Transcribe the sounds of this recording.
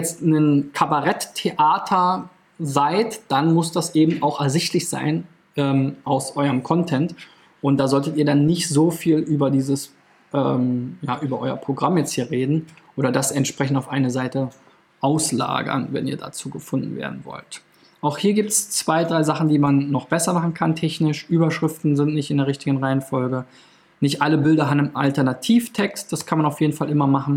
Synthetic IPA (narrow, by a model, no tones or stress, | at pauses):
ɛt͡stnənkʰabaʁɛttʰeʔaːtʰɐ | zaɪtd̥anmʊsd̥asʔeːbm̩ʔaʊxɛɐzɪçtʰlɪçz̥a̰ɪn | ʔɛːmʔaʊsʔɔʏɐʁəmkʰɔntʰɛnt | ʔʊnt̚d̥aːzɔltətiːɐdanːɪçtz̥oːfiːlʔyːbɐdiːzəs | ʔɛ̰ːmjaːʔyːbɐʔɔʏɐ̰pʁ̥oɡʁamjɛt͡sthiːɐʁeːdn̩ʔoːɾɐdasɛntʃpʁ̥ɛçn̩taʊfʔaɪnəzaɪtə | ʔaʊsla̰ːɡɐ̰nvɛ̰niːɐda̰t͡suːɡəfʊndn̩vḛːɐdn̩vɔ̰lt | ʔaʊxhiːɐɡiːp̚tst͡sv̥aɪdʁaɪzaχn̩diːmanːɔχb̥ɛsɐmaχn̩kʰantʰɛçnɪʃʔyːbɐʃʁ̥ɪftn̩zɪntnɪçtɪndeːʁ̞ɪçtɪɡən̩ʁaɪənfɔlɡə | nɪçtʔaləbɪldɐɦabnmʔa̰ltɛɐnatʰiːftʰɛkst̚d̥askʰanmanaʊfjeːdn̩falʔɪmɐmaχn̩